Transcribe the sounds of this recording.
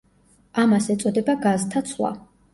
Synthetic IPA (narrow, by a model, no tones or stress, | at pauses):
amasɛt̪sʼɔd̪ɛbaɡazt̪ʰat̪sʰwa̰